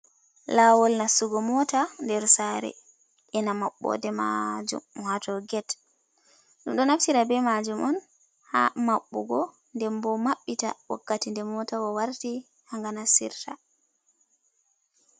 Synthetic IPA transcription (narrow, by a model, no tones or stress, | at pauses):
lawɔlnasuɡɔmɔtandɛɾsaɾɛ̰ | ʔɛnamaɓːɔ̰dɛma̰d͡ʒṵmhatɔɡɛt | ɗumɗɔnaftiɾabɛmad͡ʒumʔɔn | ha̰maɓːɔ̰ɡɔ | ndɛmbɔmaɓːita̰wa̰kːatindɛmɔtawɔwaɾti | haŋɡanasḭɾta